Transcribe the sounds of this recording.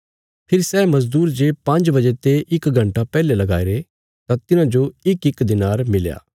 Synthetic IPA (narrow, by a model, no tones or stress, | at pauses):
pʰɪɾisɛːmɐzd̪uːɾd͡ʒepɐ̃nd͡ʒbɐd͡ʒet̪eʔɪkɡʱɐ̃ɳʈapɛːlelɐɡa̰ːeɾe | t̪at̪ɪnãd͡ʒoɪkɪkd̪ɪnaːɾmɪlja̰ː